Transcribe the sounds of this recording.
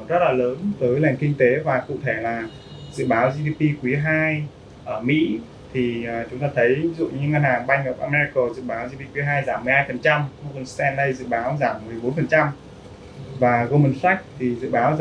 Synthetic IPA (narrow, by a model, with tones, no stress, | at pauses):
zə˦˥t̚laː˨˩ləː˨˦nt̪əː˨˦jlɛ˨˩ŋkï˧ŋ̟t̪e˨˦vaː˨˩kṵ˧˨t̪ʰe˧˩laː˨˩ | zɨ̰˧˨ɓaː˨˦wzi˧ɗi˧pi˧kwi˨˦ɦaː˧j | ʔəː˧˩mḭ˧˥ | t̪ʰi˨˩əː˨˩t͡ɕʊ˨˦ŋ͡mt̪aː˧t̪ʰə˨˦jvi˦zṵ˧˨ɲɨ˧ŋa˧nhaː˨˩ŋɓa˧jŋ̟ŋəː˨˩p̚ʔaː˧mɛ˧zi˧koː˨˩zɨ̰˧˨ɓaː˨˦wzi˧pi˧kwi˨˦ɦaː˧jzaː˧˩mː˨˩jhaː˧jfə˨˩nt͡ɕa˧mɣo˧mə˧nst̪ɛ˧nɗə˧jzɨ̰˧˨ɓaː˨˦wzaː˧˩mːɨ˨˩əjɓo˨˦nfə˨˩nt͡ɕa˧m | vaː˨˩ɣo˧mə˧nsa˦˥jk̟̚t̪ʰi˨˩zɨ̰˧˨ɓaː˨˦w